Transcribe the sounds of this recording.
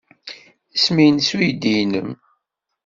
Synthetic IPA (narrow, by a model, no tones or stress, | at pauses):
əsmijnsujd̪ijnəm